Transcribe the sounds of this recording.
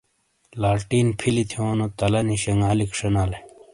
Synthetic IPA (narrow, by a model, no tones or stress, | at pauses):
laːɾʈiːnpʰilit̪ʰioːnot̪ɐlɐniɕɐŋaːlikʂɐnale